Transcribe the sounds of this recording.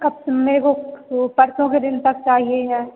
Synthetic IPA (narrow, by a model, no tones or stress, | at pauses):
kɐb̚meːɾekopɐɾsõked̪ɪnt̪ɐk̚t͡ʃaːɦieɦɛː